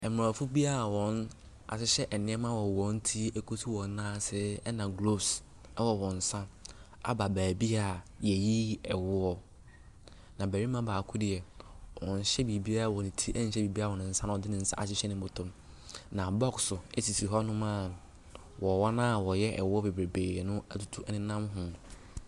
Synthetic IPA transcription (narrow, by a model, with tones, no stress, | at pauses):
ɛ˨m˨a˨fu˦bi˦a˦˨wɔ̃˨n | a̰˨sɪ˦ɕɛ˦ʔɛ˨nɪ̃˦ɛ˦mã˦wɔ˨wɔ̃˨˦n˦tʰi˦ɛ˦kʰo˦tʰu˦wɔ̃˨n˦nãː˦˨sɪ˦ɛ˦nã˨ɡlo˦bs | ɛ˦wɔ˨wɔ̃˨n̩˨sã˦a̰˨ba˨bæː˨bi˦a˨jɛ˨ji˦ɛ˨wʊ˦ɔ˦ | nã˨bæ˨ɾi˦mã˦baː˨kʰʊ˦dɪ˨ɛ˨wɔ˨n̩˨ɕɛ˦bi˨bi˦a˦˨wɔ˨nɪ̃˨tʰi˦ɛ˦n̩˨˦ɕɛ˦bi˨bi˦a˦˨wɔ˨nʊ̃˨n̩˨˦sã˦ñ˨ɔ˨dɪ˦nɪ̃˨n̩˨sã̰˦a̰˨ɕɪ˦ɕɛ˦nɪ̃˦˨˦bʊ˨tʰʊ̃˦m | nã˨bɔ˦ksʊ˨ɛ˦sʰi˨si˨ɦɔ˦nʊ̃˦mã˦ | wɔ˨wɔ˦nã˦˨wɔ˨jɛ˦ʔɛ̰˨wʊ˦ɔ˦be˨be˨beː˨ɾe˨nʊ̃˦a˦tʰu̥˦tʰu˦ɛ˦nɪ̃˦nã˦mɦʊ̃˨